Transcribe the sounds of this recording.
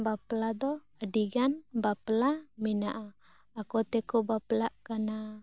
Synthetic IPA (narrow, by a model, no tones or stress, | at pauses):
baplad̪ɔ | adiɡanbaplaminaʔaː | kɔt̪ɛkɔbaplaʔkana